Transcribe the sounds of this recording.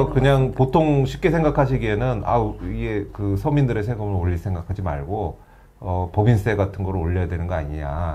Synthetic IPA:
ʌkɯɲaŋpotʰoŋɕʰip̚k͈e̞sʰe̞ŋɡakʰaɕ̬ʰiɡie̞nɯna̰iɡe̞kɯsʰʌmindɯɾe̞sʰe̞ɡɯmɯɾoʎːisʰeŋɡakʰad͡ʑima̰ɭɡo | ʌpʌbins͈ʰe̞ɡatʰɯnɡʌɾɯoʎːʌjadwe̞nɯnɡʌaɲiɲa̰

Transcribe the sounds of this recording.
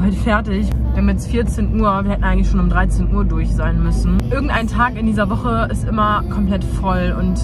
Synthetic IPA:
valtfɛɐtɪçvihamjɛt͡stfiːɐt͡seːnʔuːɐviɐɛtn̩aɪɡŋ̩tlɪçʃoːnʊmdʁaɪt͡seːnʔuːɐdʊɐçz̥aɪnmʏsn̩ʔɪɐɡŋ̩tʔa̰ɪntʰaːkɪndiːzɐvɔχəɪstʔɪmɐkʰɔmpl̥ɛtfɔlʊnt

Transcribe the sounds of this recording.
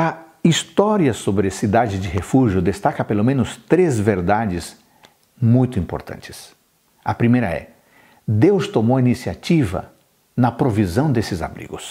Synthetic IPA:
ɐ | ist̪ɔɾiɐsobɾɪɐsid̪ad͡ʒɪd͡ʒɪɦefuʒjʊd̪est̪akɐpelomẽnʊst̪ɾezveɾd̪ad͡ʒɪz | mũj̃t̪ʊĩmpo̰ɾt̪ɐ̰̃nt͡ʃɪ̥s | ɐpɾimejɾɐ̰ɛ̰ | d̪ewst̪omowɐinisiat͡ʃivɐ̰ | nɐpɾovizɐ̃w̃d̪esɪza̰bɾḭɡʊs

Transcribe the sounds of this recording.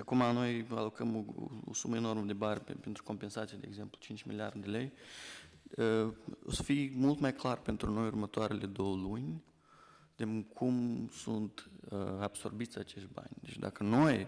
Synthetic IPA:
akumano̞ja̰lokəmo̰osuməeno̞rməd̪ebarʲpent̪ɾu̥ko̞mpensat̪sijad̪e̞ːɡzemplut͡ʃint͡ʃʲmḭlia̰rd̪d̪elej | əo̰sə̥fimult̪majklarpent̪ɾuno̞jurmət̪oaɾeled̪o̞wlunʲ | d̪emkʰumsunt̪əab̥so̰rbit̪sʲat͡ʃeʃt̪̚ʲba̰nʲd̪et͡ʃʲd̪a̰kənoj

